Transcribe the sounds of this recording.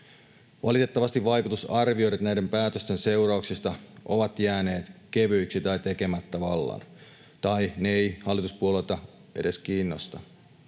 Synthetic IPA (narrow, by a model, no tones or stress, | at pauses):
ʋɑ̰lit̪e̞t̪ːɑʋɑst̪iʋɑjkut̪usɑrʋio̞jɾɑt̪næjde̞mpæːt̪øst̪e̞nse̞wɾɑuksist̪ɑʔo̞ʋɑt̪jæːne̞ːt̪keʋyiksit̪ɑjt̪e̞ke̞mæt̪ːæʋɑlːɑ̰n | t̪ɑjneejhɑlːit̪uspuole̞lt̪ɑ | e̞de̞skiːnːo̞st̪ɑ